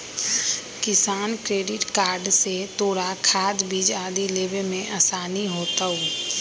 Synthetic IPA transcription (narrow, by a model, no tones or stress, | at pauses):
kɪsaːnkɾeːɖɪʈkaːɾɖset̪oːɾakʰaːd̪biːd͡ʒaːd̪ileːʋemẽʔasaːniɦoːt̪aɦoː